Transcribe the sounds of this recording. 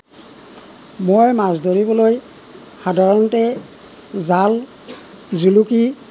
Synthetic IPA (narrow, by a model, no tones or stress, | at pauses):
mojmazdoɹibɔloj | xadʱaɹɔntɛ | zal | zuluki